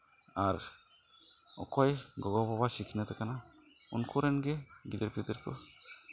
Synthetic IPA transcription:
aɾ | ɔ̰kɔjɡɔɡɔbɔbasikʰinat̪ɛkana | ṵnkʰuɾɛnɡɛɡid̪ɛɾpʰit̪ɛɾkɔ

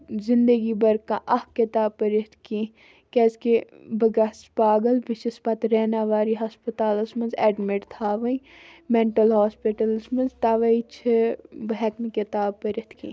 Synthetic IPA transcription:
zɪnd̪əɡibɐɾkãʔɐhkit̪aːb̚pɐɾit̪ʰkĩ | kɛske | bɐɡaspaːɡəlbiʃispɐt̪ɾɛːnaːʋaːɾiɦaspət̪aːlɐsmɐnzɛːɖmeʈt̪ʰaːʋɐ̃ | meɳʈəlɦaːspiʈəlsmɐnzt̪aʋɐit͡ʃʰɨbɐɦɛkmikit̪aːb̚pɐɾɪt̪ʰkḭ̃

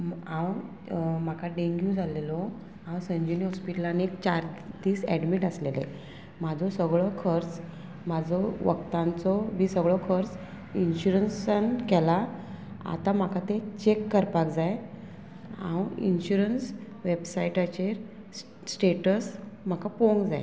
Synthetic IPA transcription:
ãw | m̤akaɖeŋɡjũd͡zʱalelɔ | ãwsəɲd͡ʑuniɦɔspiʈəlanek̚t͡ɕaɾt̪iːsɛɽmiʈəslelḛ | mad͡zʱɔsəɡɭɔkʰəɾt͡s | mad͡zʱɔʋə̰ɡt̪ãnt͡sɔmiːsəɡɭɔkʰəɾt͡s | inɕuɾənsənkɛla | a̰t̪am̤akat̪et͡ɕekːəɾpakd͡zaje | ã̰wḭnɕuɾəns | ʋebsajiʈat͡ɕeɾː | ʈeʈəsm̤akapoŋɡd͡za̰e

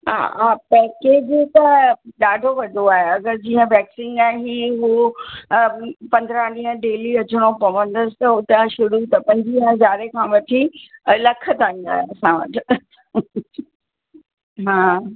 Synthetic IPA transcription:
ɦa̰ɦaːpɛːkeːd͡ʑt̪ɐɗaːɖʱoʋɐd̪ʱoaːɦeɐɡəɾd͡ʑiːə̃ʋɛːksĩnaːeɦiːɦu | pɐ̃nd̪ɾaɗĩːɦə̃ɖeːliɐt͡ɕʊɽ̃opɐʋə̃nd̪əsɪ̥t̪ɐʊt̪ə̃ʃʊɾut̪ɐpɐ̃ɲd͡ʑiɦə̃zaːɾekʰãːʋɐʈʰilɐkʰət̪ʰaĩnd̪a̰ːɦeɐsãʋɐ̰ʈʰɪ | ɦãː

